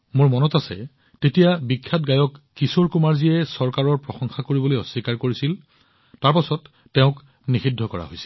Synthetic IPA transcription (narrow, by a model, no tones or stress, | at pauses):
mʊɹmɔnɔtasɛ̰ | tetijabikʰːatɡajɔkːisoɹkumaɹziɛsɔɹkaɹɔɹpɹɔxɔŋxakoɹibɔlojɔsːikaɹkoɹisil | taɹpasɔtː | eʊ̃k | nixidʱːɔkɔɹa̰ɦojsi̥l